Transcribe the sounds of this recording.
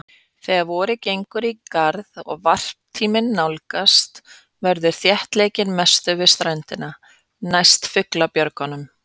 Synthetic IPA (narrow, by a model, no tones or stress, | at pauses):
θɛɣaðvɔːɾʏcejŋkʏɾikaɾðɔɣvar̥pt̪ʰiːmɪnːawlkast̪ | vɛɾðʏɾ̥θjɛht̪leːjcɪnmɛst̪ʏvɪst̪ɾajnt̪ɪna | najst̪fʏklapjœɾkanʏm